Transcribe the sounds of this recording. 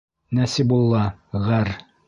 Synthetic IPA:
næsibulˠːɑʁæɾ

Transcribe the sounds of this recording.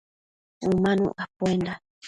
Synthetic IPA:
umãnṵ̃apuenda

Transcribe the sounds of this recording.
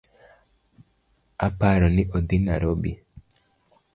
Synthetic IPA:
apaɾɔnɪʔod̪inaɾobi

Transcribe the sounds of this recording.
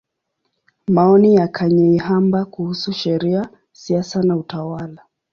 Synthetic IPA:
maɔnijakʰaɲɛiɦambakuhusuʃɛɾia | siasanautawala

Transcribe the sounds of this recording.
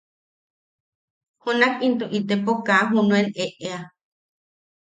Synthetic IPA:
honakint̪oʔit̪epokaɦunũeneʔea

